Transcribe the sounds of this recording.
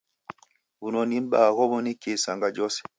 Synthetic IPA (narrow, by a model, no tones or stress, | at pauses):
bunɔnimɓaːkɔbɔnikesaŋɡad͡ʒɔsɛ̥